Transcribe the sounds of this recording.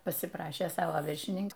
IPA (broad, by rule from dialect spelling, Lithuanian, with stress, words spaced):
pɐsʲɪˈprɑːʃʲeː ˈsɑːʋoː ʋʲɪrʲʃʲɪˈnʲɪŋk